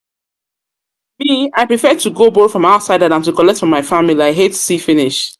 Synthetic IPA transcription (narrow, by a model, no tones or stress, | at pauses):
miaɪpɹifɛd̚tʰuɡobɔfɹɔ̃maʊtsaɪdãnãntukɔlɛk̚tfɹɔ̃mːaɪfamiliaɪɦetsifiniʃ